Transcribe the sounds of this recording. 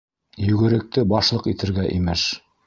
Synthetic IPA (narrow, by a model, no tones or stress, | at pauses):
jɵ̆ɡɘ̆ɾɘ̆k̚t̪ɘbɑʃlˠɤqit̪ɘ̆ɾɡæʔimɘʃ